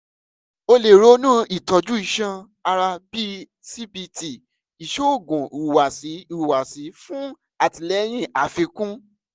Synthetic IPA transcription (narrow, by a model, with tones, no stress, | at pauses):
o˧le˨ɾo˦nũ˦i˨tɔ˨˧d͡ʒu˦i˦˧˨ʃã˧ | a˧ɾa˧bi˦ | si˦bi˧ti˨ | i˨ʃo˦˨ɡũ˨u˨u˨wa˨si˨˦u˦˨u˨wa˨si˨˦fũ˦ | a˦˨ti˨lɛ˦j̃ĩ˦˨ʔa˨fĩ˧kũ˦